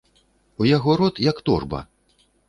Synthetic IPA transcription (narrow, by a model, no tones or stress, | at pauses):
ujaɣɔɾɔt̪jɐkt̪ɔ̰rbɐ̰